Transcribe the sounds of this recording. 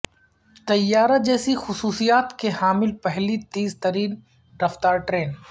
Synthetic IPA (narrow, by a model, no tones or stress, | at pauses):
t̪ɐjːaːɾad͡ʒɛːsixʊsuːsijaːt̪kehaːmɪlpɐɦlit̪iːzt̪ɐɾiːn | ɾɐft̪aːɾʈɾeːn